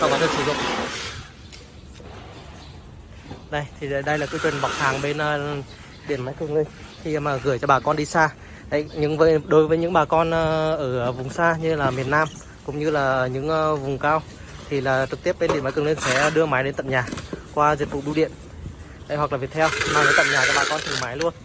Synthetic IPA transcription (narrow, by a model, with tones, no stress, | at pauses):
sa˧˩ɓaː˨˧˩t̪ʰə˧nsɨ˧˩zʊ̰˧˨ŋ͡m | ɗə˧jt̪ʰi˨˩˨ɗə˧jlaː˨˩kɨː˨˦t͡ɕwi˨˩nɓa˨˩k͡p̚hʰaː˨˩ŋɓe˧n˧ | ɗi˧˩ənmaː˨˦jkɨ˨˩əŋli˧ŋ̟ | xi˧maː˨˩ɣɨ˧˩əjt͡ɕɔ˧ɓaː˨˩kɔ˧nɗi˧saː˧ | hə̰˧˥jɲɨ̰˧˥ŋvəː˨˦jɗo˨˦jvəː˨˦jɲɨ̰˧˥ŋɓaː˨˩kɔ˧nʔʔəː˧˩vʊ˨˩ŋ͡msaː˧ɲɨ˧laː˨˩mi˨˩ənːaː˧m | kʊ̰˧˥ŋ͡mɲɨ˧laː˨˩ɲɨ̰˧˥ŋ˧vʊ˨˩ŋ͡mkaː˧w | t̪ʰi˨˩laː˨˩t͡ɕɨ˨˩k̚t̪i˦˥əp̚ɓe˧nɗi˧˩ənmaː˨˦kɨ˨˩li˧ŋ̟sɛ̰˧˥˧ɗɨ˧əmaː˨˦jɗe˨˧˦nt̪ə̰˧˨mɲaː˨˩kwaː˧zi˨˩t̚vṵ˧˨ɗu˧ɗḭ˧˨ən | ha̰˧˥jhwa˨˩k̚lːvi˨˩ət̪ʰɛ˧wmaː˨˩ə˨˦jt̪ə̰˧˨mɲaː˨˩t͡ɕɔ˧ɓaː˨˩kɔ˧nt̪ʰɨ˨˩maː˨˦jlu˧ən